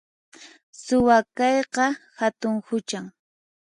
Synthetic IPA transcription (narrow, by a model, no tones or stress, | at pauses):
sʊwakɑjqɑhat̪ʊŋhʊt͡ʃaŋ